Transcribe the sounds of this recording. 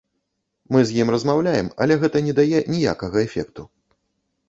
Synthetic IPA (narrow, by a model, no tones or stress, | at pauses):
mɨzʲjimrɐzmawlʲajɛmɐ̰lʲɛɣɛt̪ɐnʲɛd̪ajɛnʲija̰kɐɣɐɛfʲɛ̰k̚t̪u